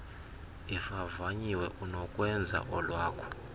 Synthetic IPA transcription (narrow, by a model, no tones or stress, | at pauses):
ifavaɲiwɛʔunɔkʼwɛnd͡zʱa̰ʔɔlwaːkʰɔ̥